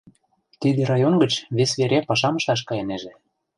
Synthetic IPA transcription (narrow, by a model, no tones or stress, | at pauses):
t̪id̪eɾɑjonɡə̆t͡ɕβesβeɾepɑʃɑmɤ̆ʃɑʃ̬kɑjeneʒĕ